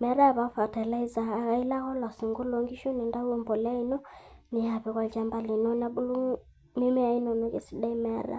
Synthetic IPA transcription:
mɛ˨˦ɾa˦˨βa˨fa˨ta˨la˦i˦za˨a˨ɣa˦i˦la˦ɣɔ˦lɔ˨si˨ŋɡo˦lo˨˦ŋɡi˦ʃu˦nɛ˨nda˦u˦ɔ˦˨mbɔ˨la˦i˦nɔ˦ | ni˨ja˨βɛ˨kwa˨t͡ʃa˨mba˨li˨nɔ˦na˨bu˦lu˦ | mi˦mɛ˦a˨˦i˦nɔ˨nɔ˦ke˨si˦da˦i˦mɛ˦ɾa̰˨

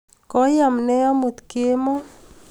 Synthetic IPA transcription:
kɔ˦ja˨mnɛ˦ɔ˦mu˨t̪ke˦mɔ˦

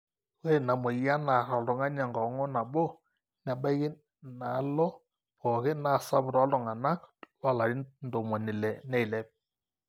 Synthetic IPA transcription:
ɣɛ˦˨na˨mɔ˨ja˦na˨ɾɔ˨lɔ˨ŋa˦ɲa˨ŋɡɔ˨ŋɔ˦na˨bɔ˦ | na˨ba˦ɣɪ˦ | na˨˦lɔ˦ | pɔ˨ɣɪ˦na˦˨sa˦bɾɔ˦lɔ˨ŋa˨na˦kwa˨la˨ɾi˦ndo˨mɔ˨nɪ˨lɛ˨nɛ˦˨i˨lɛ˦p̚

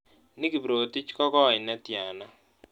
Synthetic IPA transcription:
nɪ˦ki˨bɾo˨ti˦t͡ʃkɔ˦kɔ˦˨ɪ˨nɛ˦tja˨na˦

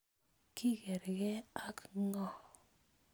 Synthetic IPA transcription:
ki˦ɡe˨ɾɡɛ˦a˦kŋɔ˦˨

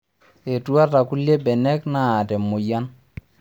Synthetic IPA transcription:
e˨tu˦a˦ta˨ku˦lje˦bɛ˨nɛ˦kna˦a˨tɛ˨mʊ˨ja˦n

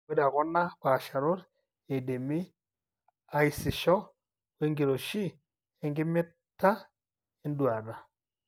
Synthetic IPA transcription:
we˦da˨ɣo˦na˦kwa˨ʃa˨ɾu˦ɾ | e˨de˨mi˦ | a˦i˦si˨ʃɔ˦ | we˦ŋɡi˨ɾo˨ʃi˦ | e˦ŋɡi˦mi˦ | ta˦ | e˦ndwaː˨ɾa˨

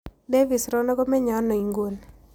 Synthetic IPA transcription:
de˦vi˨sɾɔ˦nɔ˦ɡɔ˦mɛ˦ɲɔ˨˦nɔ˨i˨ŋɡwo˨n

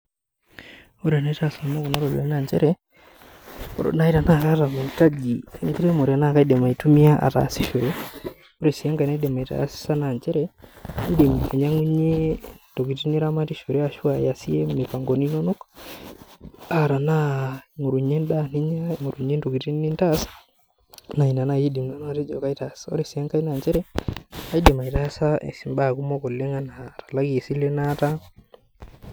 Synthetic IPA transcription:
o˦ɾa˨na˦tasa˨na˦ku˨na˦ɾo˨lɔ̰˦na˨ɲd͡ʒɛ̰˦ɾɛ | ɔ̰˨ɾ̰na˦i˦ɾa˨na˦ɾa˦ɾa˨mu˨ka˦d͡ʒi˨ŋɡu˦ɾe˦mo˨ɾi˨a˨na˦˨ka˦i˦dɛ˨ma˨i˨tu˦mi˦a˦ʔa̰˨ta̰˨si˦ʃo˨ɾɛ˦ | o˦ɾɛ˨si˨a˦ŋɡa˨nɛ˦dɛ˨ma˨i˨ta̰˨a˦si̥sa˦na˨ɲd͡ʒɛ˦ɾɛi˦de˨me˨ɲaŋu˦ɲe˦ndo˨ki˨ti˦ni˦ɾa˦ma˦ti˦ʃo˨ɾɛ˦a˨ʃu˦a˨ja˨si˦ɛ˦me˨pa˨ŋɡɔ˨ni˦nɔ˦no˦ka | a˨ɾa˨na˦˨ŋo˨ɾu˨ɲe˦nda˦˨ni˦ɲa˦˨ŋo˨ɾu˨ɲe˦ndo˨ɡi˨ti˦n˦ni˦nta˦s | na˨i˨na˨na˨ji˦di˨mna˦n˦a˨te˦d͡ʒɔ˨ka˦i˦ta˨sɔ̰˦ɾe˨si˨a˦ŋka˦i˦na˨ɲd͡ʒɛ˦ɾɛa˦i˦de˨ma˨i˨ta˦a˦sa˦ʔɛ̰˨si˨mba˦˨ku˦mɔ˦ko˨le˦ŋa˦na˨tḁ˨la˦ksi˦le˦na˦ta˦

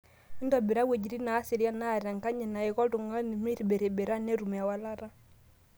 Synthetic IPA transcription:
ndɔ˨be˨ɾa˦we˨d͡ʒi˨ɾi˦naː˨˦si˨ɾi˦a˦naː˦˨ɾa˨ŋka˦ɲɛ˨na˨ɛ˨kɔ˦du˨ŋa˦ni˨mi˦ɾi˨be˨ɾe˨be˨ɾa˦nɛ˦ɾu˨mɛ˨a˨wa˦la˦ɾa˦

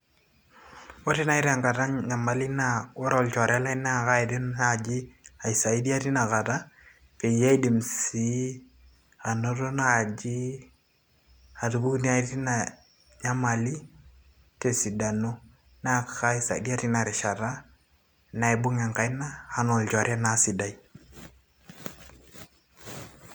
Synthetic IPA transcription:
wɔ˦ti˦na˨ɪ˦ɾa˨ŋka˨ta˦ŋɲa˨ma˨li˦na˨wɔ˦ɾɔ˨lt͡ʃɔ˨ɾa˦la˦i˦na˦˨ka˦ɪ˨tɪ˦na˨d͡ʒi˦a˨i˨sa˨i˦di˦a˦ti˦na˨ka˨ta˦ | pe˨ja˦i˦di˨msi˦ | a˨no˦to˦na˦˨d͡ʒi˦ | a˨tu˨bu˦kni˦a˨i˦ti˦na˨ | ɲa˦ma˨li˦ | te˨si˨da˨no˦ | na˦kka˦i˦sa̰˨ḭ˨di˦a˦ti˦na˨ɾɪ˨ʃa˨ɾa˦ | na˨e˨bʊ˦ŋa˨ŋka˨jna˦ha˦nɔ˨ld͡ʒɔ˨ɾa˦na˨si˨da˦i˦

